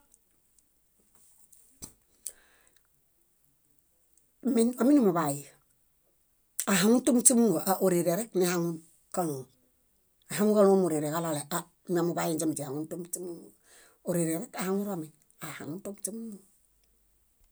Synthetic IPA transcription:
mina˨mi˦namu˨βaji | a˨ɦaŋu˦ntu˦mt͡ʃu˦mu˦ŋɡo˨ʔa˨ʔo˨ɾi˨ɾeɾe˦knihaŋun | ka˦lo˨ | a˨ɦa˦ŋu˦ŋka˦lo˦mu˨ɾi˨ɾe˨ka˦lale˨ʔa˦ | nia˨mu˨ba˦ji˦nd͡ʒamt͡ʃi˨ha˨ŋu˦ntu˦mt͡ʃi˦muŋ | o˨ɾiɾeɾe˦kahaŋu˦ɾamin | aha̰˨ŋu˦nto˦mt͡ʃi˦mu˦ŋu

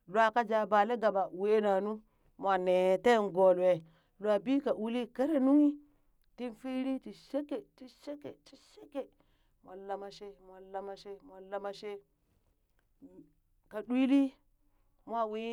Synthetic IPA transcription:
lwa˦ka˦d͡ʒa˨ba˨le˦ɡa˨ɓa˨we˦na˨nu˦ | mʷ˨a˨ne˨te˦˨n˨ɡo˨lwe˨ | la˨bi˦ka˨ʔu˦li˦ke˦ɾe˦nu˦ŋi˦ | ti˦nfi˦ɾi˦ti˨ʃe˦ke˨ti˦ʃe˦ke˨t͡ʃi˦ʃe˦ke˨ | mʷ˨a˨la˨ma˨ʃe˦mʷ˨a˨la˨˦ma˨ʃe˦mʷ˨a˨la˦ma˨ʃe˦ | ka˨ɗwi˦li˦ | mʷ˦a˦wi˦

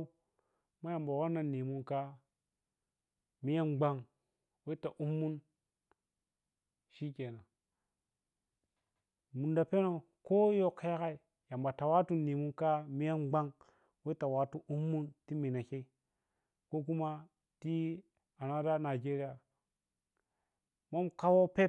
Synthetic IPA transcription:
ma˦ja˨mba˨wa˦na˨ni˨mu˦nka˦ | mi˦ja˦nɡ͡ba˦ŋ | we˦i˦ta˨ʔu˦mːu˦n | ʃi˦kʲe˨na˨ | mu˨nda˨pe˦no˨ | ko˦jo˦kːa˦ja˦ka˦i˨ | ja˨mba˨ta˨wa˦tu˦nːi˨mu˦ka˦mi˦ja˦mɡ͡ba˦ŋ | we˦i˦ta˨wa˦tu˦ʔu˦mːu˦nti˦mi˨na˨ke˦i˦ | ko˦k̬u˦ma˦ | ti˦ | a˨na˦da˦na˨d͡ʒe˦ɾi˦ja˨ | mo˦mka˦wo˦pe˦

